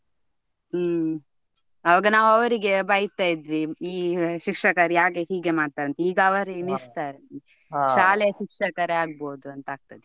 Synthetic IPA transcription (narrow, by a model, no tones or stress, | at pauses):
ɐʋɐɡɐnaːʋɐʋɐɾiɡe̞bɐjt̪aːjid̪ʋiiːʃikʂɐkɐɾjaːkehiːɡemaːɖ̚t̪aːjɾɐnt̪eiːɡɐʋɐɾinist̪aːɾɐni | ʃaːlɛjɐʃikʂɐkɐɾeaːɡ̚boːd̪uɐnt̪aːɡ̚t̪ɐd̪e